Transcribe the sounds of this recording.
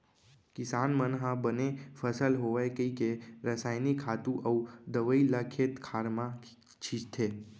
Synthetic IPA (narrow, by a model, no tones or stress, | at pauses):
kɪsanmənɦãbənefʰəsəlɦoʋajkəikeɾəsajnikʰat̪ũʔəud̪əʋəiləkʰet̪kʰaɾmã | t͡ʃʰist̪ʰe